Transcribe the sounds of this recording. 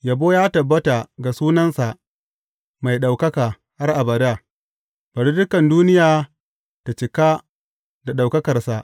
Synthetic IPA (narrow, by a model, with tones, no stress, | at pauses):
ja˨boː˦jaː˦tɐ˨bːɐ˦ta˨ɡa˨suː˦nɐ˦nsa˨ʔ | ma˨jɗa˨wkɐ˦kaː˨ | ha˦rʔa˨bɐ˨ɽa˨ | b̥ɐ˨ɾi˦dʊ˦kɐ˨nduː˦nɪ˦jaː˨ | ta˨t͡ʃɪ˨ka˦ | da˨ɗa˨wkɐ˦kɐ˨rsa˨ʔ